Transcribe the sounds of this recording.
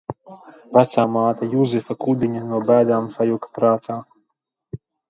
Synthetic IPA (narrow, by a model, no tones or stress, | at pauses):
væt̪saːmaːt̪ajuzɨfakud̪iɲʲanuɔbæːd̪aːmsajukḁpɾaːt̪ʰaː